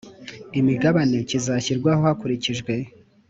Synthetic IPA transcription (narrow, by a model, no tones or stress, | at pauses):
imiɡaβane̞cizaçiɾɡwaho̞hakuɾiciʒɡwe̞